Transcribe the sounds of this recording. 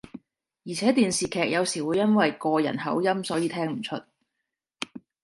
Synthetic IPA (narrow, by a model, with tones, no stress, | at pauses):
jiː˨˩t͡sʰɛː˨˥t̪iː˨nsiː˨kʰɛː˨k̚jɐ˨˧wsiː˨˩wu˨˧jɐ˥nwɐ˨jkɔː˧jɐ̰˨˩nhɐ̰˨˥wjɐ˥msɔː˨˥jiː˨˧t̪ʰɛː˥ŋm̩˨˩t͡ʃʰɵ˥t̚